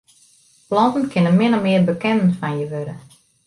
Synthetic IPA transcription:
plɔntənkʰɪnəmɪnəmɪərbəkɛnnfanjəʋøɾə

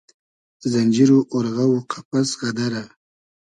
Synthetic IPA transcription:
d̪̥əzand͡ʒiɾoʔoɾɣawoqʰḁpasɣad̪aɾa

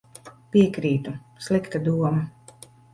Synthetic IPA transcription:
pʲiɛkɾiːt̪uslˠikt̪ad̪uɔma

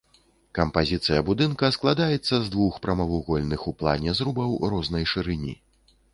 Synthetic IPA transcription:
kɐmpazʲit̪sɨjɐbud̪ɨnkɐsklˠad̪ajɛt̪sːɐzd̪vuxpɾɐmɐvuɣɔlʲnɨxuplˠa̰nʲɛzɾubɐwrɔznɐjʂɨɾɨnʲḭ

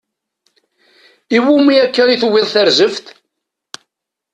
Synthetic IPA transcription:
iwumiækːəɾiθwɪðˤθæɾzəft̪

